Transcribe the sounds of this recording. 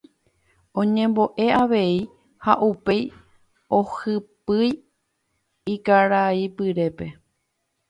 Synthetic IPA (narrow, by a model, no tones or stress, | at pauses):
õ̞ɲẽ̞mbo̞ʔe̞aʋe̞i | haʔupe̞j | o̞hɨpɨj | ikaɾaipɨɾe̞pe̞